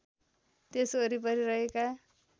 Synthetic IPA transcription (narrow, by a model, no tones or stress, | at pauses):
t̪esoɾipʌɾiɾʌɦeka